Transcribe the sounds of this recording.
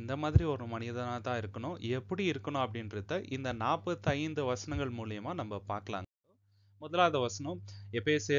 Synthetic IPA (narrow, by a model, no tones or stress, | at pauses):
nd̪ɐmaːðɪɾiɔɾɯmɐnɪjɐðɐnaːt̪ãːɪɾɯkːɐɳʊ̃ɛpːɐɽiɪɾɯkːɐɳʊ̃ɐpːɐɽɪnɾɯt̪ːɐʔɪnd̪ɐnaːpːɐt̪ːɐɪnd̪ɯʋɐsɐnɐŋɡɐɭmuːlɪjɐmaːnɐmbɐpaːɾkɐɭa̰ːŋɡɐ | mɔðɐlaːðɐʋɐsɐnɐ̃ɛpːɐeseː